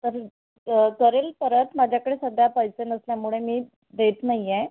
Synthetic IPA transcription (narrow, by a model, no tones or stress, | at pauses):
t̪əɾ | kəɾelpəɾət̪mad͡ʑʱjakəɽesəd̪ʱjapəjsenəsljamuɭemiː | d̪et̪najːe